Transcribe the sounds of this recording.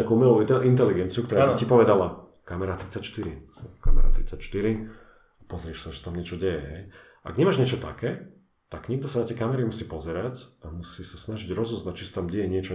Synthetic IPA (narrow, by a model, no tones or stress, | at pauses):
akuumɛluint̪̬ɛliɡɛnt͡siukt̪ɔɾaɾːcipɔʋɛd̪ala | kamɛɾat̪ɾit͡sacʃt̪iɾisɛka̰mɛ̰ɾa̰t̪ɾit͡sacʃt̪iɾi | apɔzɾɪɛʃsaʒɛsat̪amɲɪɛt͡ʃɔɟɛjɛɦɛj | a̰ɡɲɛmaːʒɲɪɛt͡ʃɔt̪a̰kɛː | t̪aɡɲiɡ̚d̪ɔsanat̪jɛjkamɛɾimusiːpɔzɛɾacamusisasnaʒiɟɾɔzɔznat͡ʃisḁt̪amɟɛjɛɲɪɛt͡ʃɔ